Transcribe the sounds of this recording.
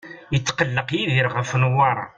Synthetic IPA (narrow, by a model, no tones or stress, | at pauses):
jət͡sːqəlːəqjiðiɾʁəfnwɑɾˤɑ̰